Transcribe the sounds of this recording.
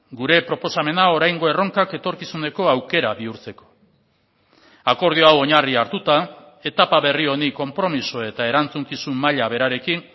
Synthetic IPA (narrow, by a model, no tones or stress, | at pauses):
ɡuɾe̞pɾo̞po̞same̞nao̞ɾajŋɡo̞e̞ro̞ŋkake̞t̪o̞ɾkisune̞ko̞awke̞ɾaβiuɾt͡se̞ko̞̥ | ako̞ɾð̞ioawo̞ɲariaɾt̪ut̪a | e̞t̪apaβe̞rio̞niko̞mpɾo̞miso̞e̞t̪ae̞ɾant͡suŋkisumːaʎaβe̞ɾaɾe̞kin